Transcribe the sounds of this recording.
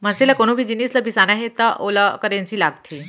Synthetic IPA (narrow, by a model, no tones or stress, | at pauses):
m̤anselakoɽ̃ubʱiːd̪inisləbisanaɦet̪aʔolakəɾẽnt͡ɕiːlaɡt̪ʰi